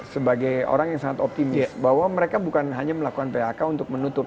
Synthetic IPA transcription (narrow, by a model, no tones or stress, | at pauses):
səbaɡajo̰ɾaŋjaŋsaŋat̪ɔp̚t̪imɪsbahwaməɾekabukanɦaɲaməlakukanpeɦakaunt̪ʊk̚mənut̪ʊp̚